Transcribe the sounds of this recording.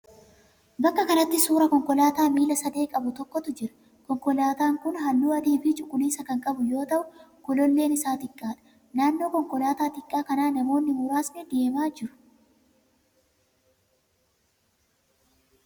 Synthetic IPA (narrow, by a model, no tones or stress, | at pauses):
bɐkːɐkɐnɐt̪ːɪsuːɾɐkɔŋkɔlaːt̪aːmiːlɐsɐd̪e̞ːkʼɐbʊt̪ɔkːɔt̪ʊd͡ʒɪɾɐ | kɔŋkɔlaːt̪aːŋkʊnɦɐlːuːɐd̪iːfɪt͡ʃʼʊkʼːʊniːsɐkɐŋkʼɐbʊjo̞ːt̪ɐʔʊkʊlɔlːe̞ːnɪsaːt̪ɪkʼːaːᶑɐ̥ | naːnːo̞ːkɔŋkɔlaːt̪aːt̪ɪkʼːaːkɐnaːnɐmo̞ːnːɪmʊɾaːsnɛd̪eːmaːd͡ʒɪɾʊ̥